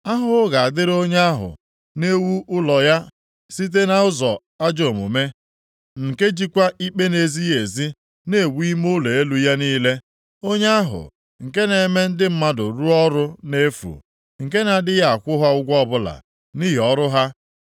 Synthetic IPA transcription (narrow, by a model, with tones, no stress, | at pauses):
a˦ɦʊ˦ɡa˨a˨dɪ˦ɾo˦ɲ˦a˦ɦʊ̰˨ | ne˦wu˦ʔʊ˦lɔ˨ja˦ | si˦t̬e˦na˦ʊ˦zɔ˨ | a˦d͡ʒo˨mṵ˨me˦ | ŋ̩˨ke˦d͡ʒi˦kʷa˦i˦k͡pe˦ne˨zi˦je˨zi˦ | ne˦˨wi˦mʊ˦le˨e˦lu˨ja˦niː˦le˦ | o˦ɲa˦a˦ɦʊ̰˨ | ŋ̩˨ke˦ne˨˦me˦n̩˦dɪ˦m̩˦ma˦dʊ˨ɾu˦ɔ˦ɾʊ˦ne˦fṵ˨ | ŋ̩˨ke˦na˨dɪ˦ja˦a˨kʷʊ˦ɦa˦ʊ˦ɡʷɔ˦bʊ˦la̰˨ | ni˦ɦɔ˦ɾʊ˦ɦa˦